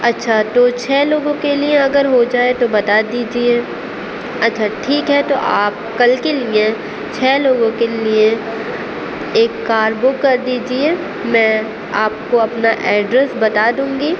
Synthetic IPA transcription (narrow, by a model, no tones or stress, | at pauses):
ɐtːʃʰat̪ot͡ʃʰɛːloːɡõkelieɐɡəɾɦod͡ʒaːet̪obɐt̪aːd̪iːd͡ʒieː | ɐtːʃʰaʈʰiːkɦɛt̪oʔaːp̚kɐlkelie | t͡ʃʰɛːloːɡõkelie | eːkːaːɾbʊkːɐɾd̪iːd͡ʒie | mɛ̃ː | aːp̚koɐpnaʔɛːɖɾɛsbɐt̪aːd̪ũːŋɡiː